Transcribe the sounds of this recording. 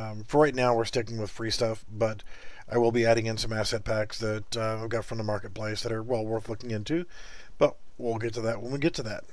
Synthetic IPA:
fə˞ɹaɪtⁿnaʊwɨɹstɪkɪ̃ŋwɨð̥fɹistʌfb̥ʌɾʔaɪwəlˠbiæɾɪ̃ŋɨ̃nsʌ̃mæsɛt̚pʰæksðɨtəvɡɑtfɹʌ̃mðəmɑɹkɨt̚pʰl̥eɪsðɨɾə˞wɛlˠwɜ˞θlʊkɪ̃ŋɪ̃ntʉ | b̥ʌt̚ | wilˠɡɛtʰɨðɨt̚wɪlˠwiɡɛtʰɨðæ̰t̚

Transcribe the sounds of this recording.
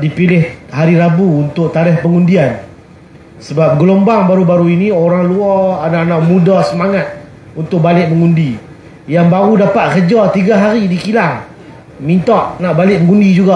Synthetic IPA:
dipilɪhɦaɾiɾabuːnt̪ʊʔ̚t̪aɾɪhpəŋundian | səbap̚ɡəlombaŋbaɾubaɾuinĩoɾaŋluaananamudasəmaŋat̪̚ | unt̪ʊk̚balɪʔ̚məŋundi | jaŋbaɾudapat̪̚kəd͡ʒat̪iɡaɦaɾidikilaŋ | mint̪aʔnaʔbalɪʔ̚məŋundid͡ʒuɡaʔ

